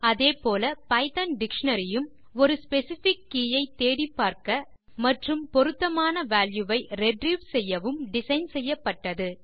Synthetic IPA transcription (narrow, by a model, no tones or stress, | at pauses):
ɐðeːpoːlɐpɐɪt̪ɐnɖɪkʂɐɳɐɾɪjɯm | ɔɾɯspɛsɪfɪkːiːjɐɪt̪ːeːɽɪpːaːɾkɐ | mɐʈrɯmpɔɾɯt̪ːɐmaːnɐʋaːljɯʋɐɪɾɛɖɾiːʋsɛjːɐʋɯmɖɪsɐɪnsɛjːɐpːɐʈːɐðɯ